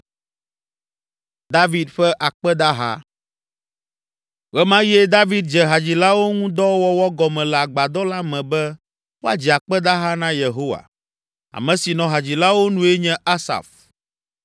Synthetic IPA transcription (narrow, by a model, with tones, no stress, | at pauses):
d̪a˦vi˨d̪ɸɛ˦ʔa˨k͡pɛ˦d̪a˦ɦa̰˦ | ɣɛ˦mã˦je˦d̪a˦vi˦d̪̚d͡ʒɛ˨ɦa˨d͡ʑi˨la˦wo˦ŋũ˦d̪ɔ˦wɔ˦wɔ˦ɡɔ˨mɛ̃˨lɛ˨a˨ɡ͡ba˨d̪ɔ˦la˦mɛ̃˨bɛ˦ | wo˦a̰˨d͡ʑi˨a˨k͡pɛ˦d̪a˦ɦa˦nã˦je˨ɦo˦wa̰˨ | a̰˨mɛ̃˨si˨nɔ̃˨ɦa˨d͡ʑi˨la˦wo˦nũ˦e˦ɲɛ̃˦a˦sa̰˨f